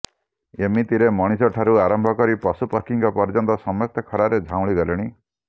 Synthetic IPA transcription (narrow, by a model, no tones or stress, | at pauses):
emit̪iɾemɔɽ̃isɔʈʰaɾuaɾɔmbʱɔkɔɾipɔsupɔɾkiŋkɔpɔɾd͡ʒɔnt̪ɔsɔmɔjɔkt̪ʰɔkʰɔɾaɾed͡ʒʱaw̃ɭiɡɔlɔɽ̃i